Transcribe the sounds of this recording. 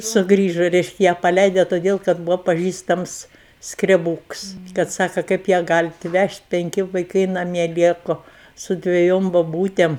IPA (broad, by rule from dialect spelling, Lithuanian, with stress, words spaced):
sʊˈɡrʲiːʒoː ˈrʲɛɪʃʲkʲɛ ˈjæː pɐˈlʲɛɪdʲɛ toːˈdʲeːlˠ kɐt ˈbʊʋoː pɐˈʒʲiːstɐms skrʲɛˈbuːks kɐt ˈsɑːkɐ ˈkɐɪp jæː ˈɡɑːlʲɪt ˈʋʲɛʃʲtʲ pʲɛŋʲˈkʲɪ ʋɐɪˈkɐɪ nɐˈmʲiɛ ˈlʲiɛkʊ sʊ dʲʋʲɛˈjoːm boːˈbuːtʲeːm